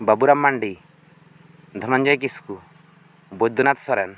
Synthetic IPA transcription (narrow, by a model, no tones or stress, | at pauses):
bɐbuɾɐmːɐɳɖi | d̪ʱɐmɐɲd͡ʒɐjk̬isku | bod͡ʒd̪unat̪sɔɾɛn